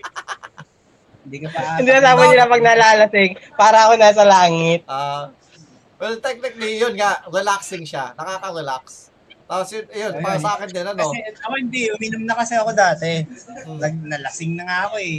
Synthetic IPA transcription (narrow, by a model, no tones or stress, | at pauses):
hɪnd̪iːkopaɪnd̪iɐsaːbɐnɪlɐpɐɡ̚nɐlaːlɐsɪŋpaːɾɐɐko̞naːs̬ɐlaːŋɪt̪̚ʔa | wɛlt̪ɛk̚nɪk̚d̪ijonŋaʔɾɛlaksɪŋʃanɐkaːkɐɾɛlaks | t̪aːposjonɐjonasɐʔaːkɪnd̪ɪnɐnɐoɛɐkɪnd̪iʔʔʊmɪnʊmnɐkɐsɛɐko̞d̪aːt̪ɛnɐɡ̚nɐlɐsɪŋnɐŋaʔɐko̞ɛ